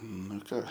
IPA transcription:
ˈnʊ ɪ ˈkɑː

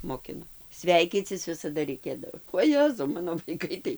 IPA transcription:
moːˈkʲɪnoː ˈsʲʋʲɛɪkʲiːt͡sʲɪs ˈʋʲɪsɐdɐ rʲɛɪˈkʲeːdɐʋoː oːˈjæːzɐʊ ˈmɑːnoː ʋɐɪˈkɐɪ tɐɪ

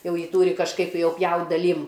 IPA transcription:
ˈjɛʊ ˈjiː ˈtuːrʲɪ kɐʃˈkɐɪp ˈjɛʊ ˈpʲjɛʊtʲ dɐˈlʲiːm

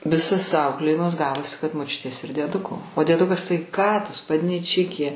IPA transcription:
ˈʋʲɪsɐs ˈɐʊklʲeːjɪmɐs ˈɡɑːʋoːsʲɪ kɐt moːˈt͡ʃʲʊtʲeːs ɪr dʲiɛˈdʊkoː oː dʲiɛˈdʊkɐs tɐɪ ˈkɑː tʊ spɐdʲnʲiːˈt͡ʃʲɪkʲeː

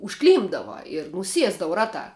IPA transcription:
ʊʃˈklʲiːmbdɐʋɐ ɪr nʊˈsʲiɛzdɐʋɐ ˈrɑːtɑː

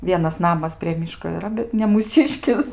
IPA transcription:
ˈʋʲiɛnɐs ˈnɑːmɐs pʲrʲiɛ ˈmʲiːʃkoː iːˈrɐ bʲɛt nʲɛ muːˈsʲɪʃʲkʲɪs

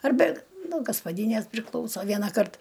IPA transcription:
ɐrʲˈbʲɛ nuɔ ɡɐspɐˈdʲiːnʲeːs pʲrʲɪˈklˠɐʊsoː ˈʋʲiɛnɐˌkɐrt

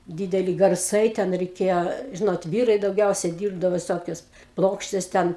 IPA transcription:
ˈdʲiːdʲɛlʲɪ ɡɐrˈsɐɪ ˈtʲɛn rʲɛɪˈkʲeːjoː ˈʒʲɪnoːt ˈʋʲiːrɐɪ dɐʊˈɡʲɛʊsʲɛ ˈdʲiːrbdɐʋoː ʋʲɪˈsoːkʲʊs ˈplˠoːkʃʲtʲɛs ˈtʲɛn

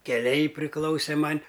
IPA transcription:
kʲɛˈlʲɛɪ pʲrʲɪˈklˠɐʊsʲeː ˈmɐnʲ

